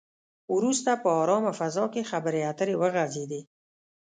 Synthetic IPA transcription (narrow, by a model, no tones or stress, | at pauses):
wɾust̪apəɑɾɑmafazɑkexabəɾeat̪əɾewəɣazed̪i